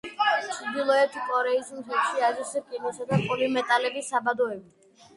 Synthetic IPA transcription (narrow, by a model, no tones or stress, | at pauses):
ʃʰd̪ilˠɔɛt̪ʰkʼɔɾɛismt̪ʰɛt̪ʃiazisɛkʼinɔsad̪apʼulimɛt̪ʼalɛbisabad̪ɔɛbit̪